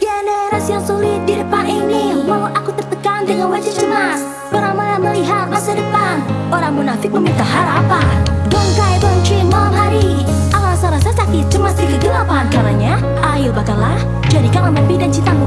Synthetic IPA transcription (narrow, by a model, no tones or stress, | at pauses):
ɡenəɾasjaŋsulɪt̪̚didəpaninimawʊt̪akut̪ərt̪əkaŋdəŋanwad͡ʒəd͡ʒəmas | pəɾamaməliɦat̪̚masadəpanoɾaŋmunafɪk̚məmint̪aɦaɾapadɔŋkaibəŋt͡ʃɾinmanɦaɾi | alaasaɾasasakɪt̪̚d͡ʒəmasdikəɡəlapankaɾaɲa | ʔajɪbakalah | d͡ʒadikaʔməmanbidant͡ʃit̪amu